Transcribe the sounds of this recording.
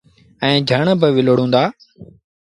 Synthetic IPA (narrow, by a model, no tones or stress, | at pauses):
ɛ̃ːd͡ʒʱəɳbɪʋɪloːɽ̤ũːnd̪aː